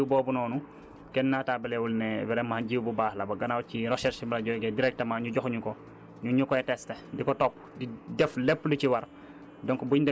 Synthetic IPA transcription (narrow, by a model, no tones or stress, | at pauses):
wbɔːbunɔːnu | kɛnːaːtaːbɐlɛwulnɛwɛɾɛmaɟiːwbubaːhlɐbɐɡɐnawciɾɔʃɛɾsibɐlɐɟɔjɡɛdiɾɛk̚tɐmaɲuɟɔxɲukɔ | ɲuɲukɔɛtɛstedikɔtɔpːdidɛflɛpːliciwɐɾ | dɔŋkbuɲdɛ